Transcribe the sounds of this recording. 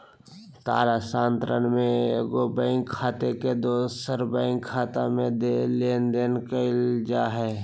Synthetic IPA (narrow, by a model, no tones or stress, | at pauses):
t̪a̰ːɾasãːnt̪ɾənmẽeɡobə̃ɪŋkʰːaːt̪eked̪oːsəɾbəɪ̃ŋkʰːaːt̪amẽd̪eleːnd̪eːnkəɪld͡ʒaːɦɛː